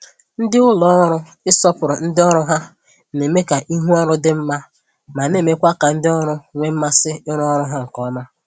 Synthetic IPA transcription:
n̩˦dɪ˦ʊ˦lɔ˦ɔ˦ɾʊ˦ | ɪ˦sɔ˦pʊ˨ɾʊ˨n̩˦dɪ˦ɔ˦ɾʊ˦ɦa˦ | ne˨me˦ka˨ʔi˦ɦu˦ɔ˦ɾʊ˦dɪ˦m̩˦ma˦ | ma˨ne˦˨me˦kʷa˦ka˨n̩˦dɪ˦ɔ˦ɾʊ˦ŋʷe˦m̩˦ma˦sɪ˦ɪ˦ɾɔ˦ɾʊ˦ɦa˦ŋ̩˨kɔ˦ma˦

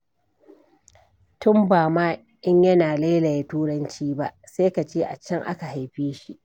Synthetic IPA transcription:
tʊ˦mbaː˨maː˦ | ʔɪ˦ɲjɐ˦naː˨la˦lɐ˨jtuː˦ɽɐ˦nt͡ʃiː˦ba̰˦ʔsa˦ka˨t͡ʃeː˦ʔa̰˨t͡ʃːɐ˦ŋʔa̰˦ka˨ɦa˨jɸeː˦ʃi˦ʔ

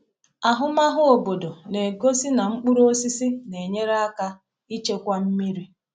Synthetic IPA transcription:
a˨ɦʊ˦ma˦ɦʊ˦o˨bo˨do˨ne˨ɡo˦si˦na˨ŋ͡m̩˦k͡pu˦ɾo˦si˦si˦ne˨ɲe˦ɾa˦ka˦ | i˦t͡ʃe˦kʷa˦m̩˦mi˦ɾi˦

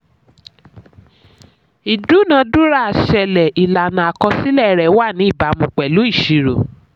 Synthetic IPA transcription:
i˨du˨˦˨nã˧˦du˦ɾa˦˨ʃɛ˨˧lɛ˨i˨la˨nã˨a˨kɔ˧si˦lɛ˦ɾɛ˨˦wa˦˨nĩ˨˦i˦˨ba˨˦mũ˨k͡pɛ˨lu˨˦i˦˨ʃi˨ɾo̰˨

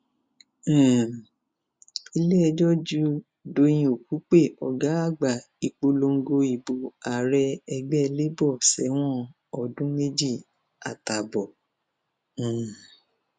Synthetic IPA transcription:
i˧le˦ɛ˧d͡ʒɔ˦d͡ʒu˦ | do˧j̃ĩ˧o˨ku˨˦k͡pe˦˨ɔ˨ɡa˨˦a˦˨ɡ͡ba˨ | i˧k͡po˧lo˧ŋ̩˦ɡo˧i˨bo˨a˨ɾɛ˧ɛ˧ɡ͡bɛ˦˧le˦bɔ˦˨sɛ˨˦w̃ɔ̃˦ | ɔ˨dũ˨˦me˦d͡ʒi˦˨ | a̰˨ta˨bɔ˨

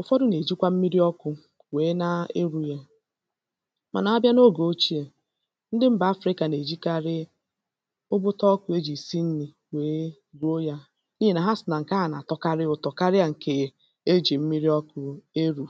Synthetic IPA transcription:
ʊ˨fɔ˦dʊ˦ne˨d͡ʒi˦kʷa˦m̩˦mi˦ɾi˦ɔ˦kʊ˦ | weː˨˦na˦e˦ɾu˨je˦ | ma̰˨na˨a˦bja˦no˦ɡo˨o˦t͡ʃi˦e˨ | n̩˦dɪ˦m̩˦ba˨a˦fɾɪ˦ka˨ne˨d͡ʒi˦ka˦ɾɪ˦ | ʊ˦bʊ˦tɔ˦kʊ˦e˦d͡ʒi˨si˦n̩˦ni˨ | we˨˦ | ɾu˦o˦ja˦ | ni˦je˦na˨ɦa˦sɪ˨na˨ŋ̩˨ka˦a˨na̰˨tɔ˦ka˦ɾɪ˦ʊ˨tɔ˨ka˦ɾɪ˦a˨ŋ̩˨ke˨ | e˦d͡ʒi˨m̩˦mi˦ɾi˦ɔ˦kʊ˦e˦ɾu˨

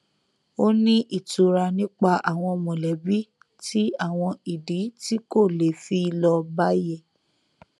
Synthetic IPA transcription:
o˦nĩ˦ʔi˨tu˨ɾa˧nĩ˦k͡pa˧ʔa˨w̃ɔ̃˧mɔ̃˨lɛ˨˦bi˦ | ti˦a˦˨w̃ɔ̃˧i˨di˨˦ti˦ko˦˨le˨fi˦i˧lɔ˧ba˦jɛ˦˨

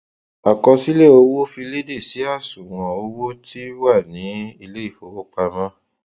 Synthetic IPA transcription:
a˨kɔ˧si˦le˦˨o˧wo˦fi˧le˦de˦˨si˨˦a˦˨sũ˨w̃ɔ̃˨o˧wo˦ti˦wa˦˨nĩ˨˦i˧le˦i˦˨fo˨˦wo˦k͡pa˧mã˦

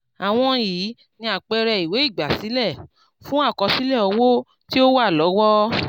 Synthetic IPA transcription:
a˨w̃ɔ̃˧jiː˨˦ | nĩ˧a˨k͡pɛ˧ɾɛ˧i˨we˨˦i˦˨ɡ͡ba˨si˨˦lɛ˦˨ | fũ˦a˦˨kɔ˧si˦lɛ˦˨ɔ˧wo˦ | ti˦o˦wa˦˨lɔ˨˦wɔ˦

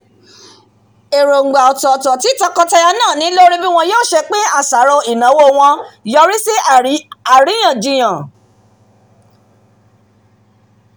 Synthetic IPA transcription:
e˨ɾo˨ŋ̩˨ɡ͡ba˨ɔ˨tɔ˨tɔ˨ti˨˦ta˦kɔ˧ta˧ja˧nãː˦˨nĩ˦lo˦ɾi˦bi˦w̃ɔ̃˧joː˦˨ʃɛ˧k͡pe˦a˦˨sa˨˦ɾo˧i˨nã˨˦wo˦w̃ɔ̃˧jɔ˧ɾi˦se˦a˨ɾi˨˦j̃ã˨d͡ʒi˨j̃ã˨

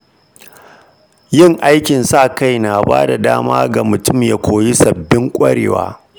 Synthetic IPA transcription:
jɪ˦˨ŋʔa˦jkʲɪ˨nsa˦˨ka˦˨jna˨baː˦da˨daː˦maː˦ɡa˨mʊ˨tʊ˦˨mja˦kʷʰoː˨ji˦sɐ˨bːɪ˦ŋkʷʼɐ˦ɽḛː˨wa̰ː˦

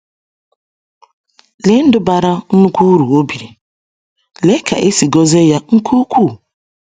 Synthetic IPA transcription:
le˨˦n̩˦dʊ˦ba˨ɾa˦nu˦kʷu˦ɾu˨o˦bi˨ɾi˨ | le˦kʰa̰˨ʔe˦si˨ɡɔ˦ze˦ja˦ŋ̩˦kʰu˦kʷu˦˨

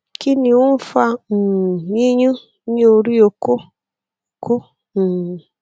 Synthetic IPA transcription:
ki˦ni˨u˦m̩˦fa˧˨i˦ɲu˦ | ɲ˦o˧ɾi˦o˨ko˦ | o˨ko˦˨

